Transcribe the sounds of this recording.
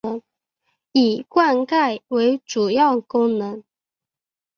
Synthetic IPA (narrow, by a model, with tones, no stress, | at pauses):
ə˧˦˥ŋ | i˨˩kwa˥˧nka˥˩ɪwe˧˥ɪʈ͡ʂu˨˩jɑ˥˩ʊkʊ˥ŋnɤ˧˥ŋ